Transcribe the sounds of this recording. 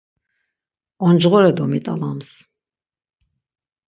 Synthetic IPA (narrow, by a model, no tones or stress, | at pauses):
ɔnd͡ʒʁɔɾɛd̪ɔmit̪ʼalams